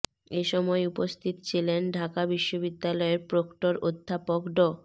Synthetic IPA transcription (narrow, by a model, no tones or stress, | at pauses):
eʃɔmɔeupost̪ʰit̪ot͡ɕʰilenɖʱakabiʃːobid̪ːalɔeɾpɾokʈoɾod̪ʱːapokɖo